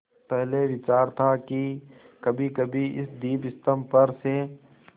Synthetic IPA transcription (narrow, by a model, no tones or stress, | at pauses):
pɛɦleʋɪt͡ʃaːɾt̪ʰaki | kɐbʱikɐbʱiɪ̰sd̪iːpɪst̪əmpɐɾse